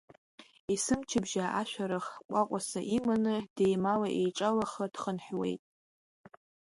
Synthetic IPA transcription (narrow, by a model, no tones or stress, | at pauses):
isɨmt͡ʃʰɪbʒaʔaʃʷᶣaɾaχkʷʼaqʷʼasaʔimanɨd̥ejmalaʔejʈ͡ʂʼalaχad̥χənħwe̞̰jtʼ